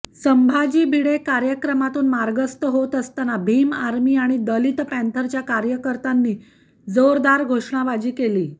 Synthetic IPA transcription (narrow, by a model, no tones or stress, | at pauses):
səmbʱad͡ʑiːbʱiɽekaɾjəkɾəmat̪uːnmaɾɡəst̪əɦot̪əst̪anabʱimaɾmiːaɽ̃id̪əlit̪pænt̪ʰəɾt͡ɕjakaɾjəkəɾt̪anːiː | d͡zoɾd̪aɾɡʱoʂɳaʋad͡ʑiːkeliː